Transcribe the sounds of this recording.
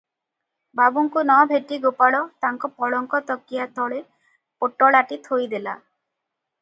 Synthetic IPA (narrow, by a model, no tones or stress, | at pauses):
babuŋkunɔbʱeʈiɡopaɽɔt̪aŋkɔpɔɽɔŋkɔt̪ɔkːijat̪ʰɔɭe | poʈɔɭaʈit̪ʰojd̪ela̰